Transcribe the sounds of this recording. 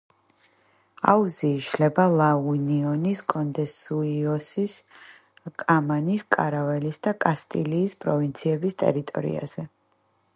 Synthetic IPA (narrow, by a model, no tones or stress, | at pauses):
auziːʃlɛbalˠauniɔniskʼɔnd̪ɛsuiɔsis | kʼamaniskʼaɾavɛlisd̪akʼast̪ʼiliːspʼɾɔvint̪sʰiɛbist̪ʼɛ̰ɾit̪ʼɔ̰ɾḭa̰z̥ɛ